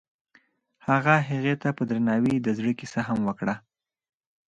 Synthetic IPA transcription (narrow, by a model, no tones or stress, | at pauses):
haɣaɦaɣet̪apəd̪ɾanɑwid̪əzɽəkisaɦamwəkɽa